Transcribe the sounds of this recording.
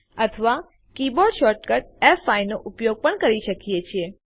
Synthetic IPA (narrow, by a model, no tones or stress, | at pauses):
ət̪ʰəʋa | kiboɾɖʃɔʈkəʈ̚efajnoʔupjoɡ̚pəɳkəɾiʃəkijet͡ʃʰie